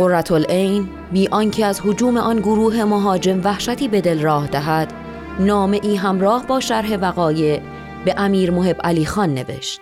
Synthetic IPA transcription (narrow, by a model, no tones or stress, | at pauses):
orːæt̪ʰolʔejn | biːʔɒncʰeæzhod͡ʒuːme̞ʔɒnɡoɾuːɦe̞moɦɒːd͡ʒe̞mvæhʃæt̪ʰiːbe̞d̪e̞lrɒːhd̪æɦæd̪̥ | nɒːme̞ʔiːɦæmɾɒːhbɒːʃæɾɦe̞væɣɒːje̞ | be̞ʔæmiːɾmohe̞bʔæliːxɒːnːe̞̰ve̞̰ʃt̪̚